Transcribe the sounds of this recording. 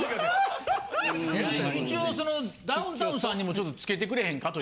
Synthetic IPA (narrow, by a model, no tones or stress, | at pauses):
eit͡ɕioːso̞no̞d̪aɯ̃nt̪aɯ̃sãɲ̟ːimo̞t͡ɕo̞t̪ːot͡sɨ̥ke̞t̪̬e̞kɯɾe̞ɦẽ̞ŋkat̪o